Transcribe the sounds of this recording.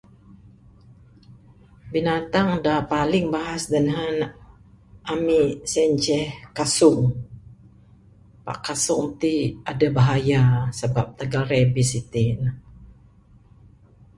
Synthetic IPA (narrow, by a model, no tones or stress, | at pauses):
binat̪aŋdapalɪŋbaɦasdəŋɦan | ʔamisɛɲt͡ʃɛhkasʊŋ | pa̰ʔkasʊŋt̪iʔadabaɦajasəbap̚t̪əɡalɾɛbisit̪in